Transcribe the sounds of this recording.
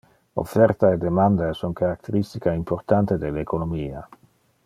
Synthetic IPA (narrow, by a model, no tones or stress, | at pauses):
o̰fɛɾt̪aed̪emand̪aesuŋkaɾak̚t̪eɾist̪ikaimpoɾt̪ant̪ed̪elekonomiːa